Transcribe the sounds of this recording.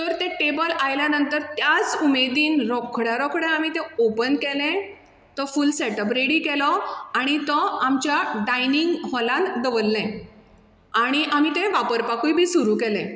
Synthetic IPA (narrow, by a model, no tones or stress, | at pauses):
t̪əɾt̪ẽʈebəlajljanənt̪əɾt̪jat͡sumed̪iːnɾɔkʰːɽjaɾɔkʰɽẽamit̪ẽopənkɛlẽ | t̪ɔfuːlsɛʈəbɾeɽiːkɛlɔaɽ̃it̪ɔamt͡ɕjaɖajniŋɡɦɔlãnd̪əʋəlːẽ | aɽ̃iʔamit̪ẽʋapəɾpakujbʱiːsuɾuːkɛlẽ